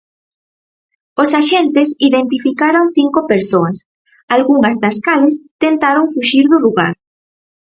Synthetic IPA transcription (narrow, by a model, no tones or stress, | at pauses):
osaʃent̪ɪsiðent̪ifikaɾoŋθiŋkopeɾsoɐs | alɣuŋɐzðaskalɪst̪ent̪aɾoŋfuʃiɾðʊluɣa̰ɾ